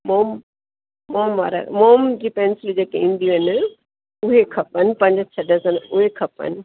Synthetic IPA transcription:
moːmː | oːmʋaːɾa̰moːmd͡ʑiːpeːnslid͡ʑeːkeĩːnd̪iɦɐn | ʊɦekʰɐpənpɐ̃ɲd͡ʑt͡ɕʰɐɗəsənʊɦekʰɐpə̰n

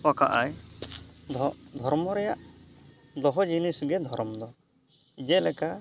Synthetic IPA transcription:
pakaʔaj | d̪ʱɔɾmɔɾɛjaʔ | d̪ɔɦɔd͡ʒinisɡɛd̪ʱɔɾɔmd̪ɔ | d͡ʒɛlɛka

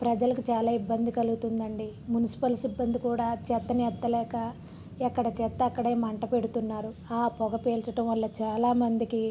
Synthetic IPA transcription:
pɾɐd͡ʒɐlɐkut͡ʃaːlaːibːɐnd̪ikɐluɡut̪und̪ɐɳɖimunisi̥pɐlsibːɐnd̪ikuːɽaːt͡ʃɛt̪ːɐnɛt̪ːɐlɛːkɐ | ɛkːɐɽɐt͡ʃɛt̪ːɐɐkːɐɽeːmɐɳʈɐpe̞ɽut̪unːaːɾuaːpɔɡɐpeːlt͡ʃɐʈɐmʋɐlːɐt͡ʃaːlaːmɐnd̪iki

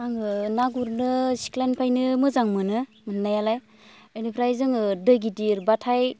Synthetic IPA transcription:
aŋɯnaɡuɾnɯsi̥klanpʰajnɯmɯzaŋmɯnɯmɯnnajalaj | ɯjnipʰɾajzɯŋɯdɯɡidiɾbatʰaj

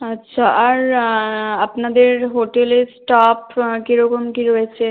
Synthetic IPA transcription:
ɐtːʃʰaɐɾ | ɐpnad̪eɾɦoːʈelesʈaːpkiɾokomkiɾoet͡ʃʰe

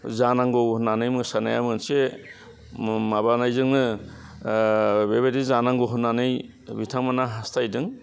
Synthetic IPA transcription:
zanaŋɡowhunanɯjmɯsanaja̰mɯnse | mabanajzɯŋnɯ | beβedizanaŋɡoɦunːanɯj | bitʰaŋmanaɦastʰajdɯŋ

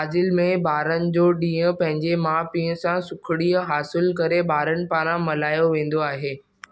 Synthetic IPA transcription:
aːd͡ʑɪlmẽɓaːɾənɪ̆d͡ʑoːɗĩːə̃pɐ̃ɦɪ̃ɲd͡ʑemãːpĩːɦə̃sãsʊkʰɪɽiːəɦaːsɪlkɐɾeɓaːɾənɪ̆paːɾãmɐlaːjoʋẽːn̆d̪oaːɦeː

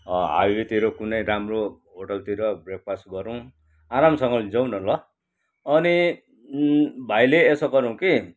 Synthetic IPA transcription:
ʌɦa̰jwet̪iɾokunʌjɾamroɦoʈʌlt̪iɾʌbrek̚pʰasʈɡʌɾũ | aɾamsʌŋɡʌd͡zʌw̃nʌlʌ | ʌni | bʱajleːsʌkʌɾuw̃ki

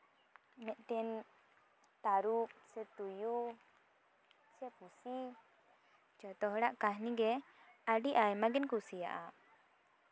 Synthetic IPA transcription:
mɛʔ̪̚ˀt̪ɛn | t̪aɾuk̚sɛt̪uju | sɛpusi | t͡ʃɔt̪ɔɦɽaʔkaɦniɡɛaɖiʔajmaɡɛnkusija̰ʔa

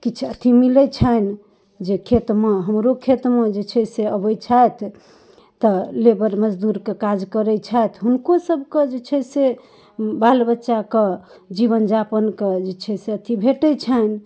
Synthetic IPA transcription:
kit͡ʃʰət̪ʰimilət͡ʃʰən | d͡ʒekʰet̪meɦəmɾokʰet̪med͡ʒet͡ʃʰɛseəbəjt͡ʃʰajt̪ʰː | əlebəɾməd͡ʒd̪uɾkekad͡ʒkəɾɛt͡ʃʰajt̪ʰɦunkosəbʱked͡ʒet͡ʃʰɛse | balbətːʃake | d͡ʒiβənd͡ʒapənked͡ʒet͡ʃʰɛseət̪ʰibʱeʈət͡ʃʰən

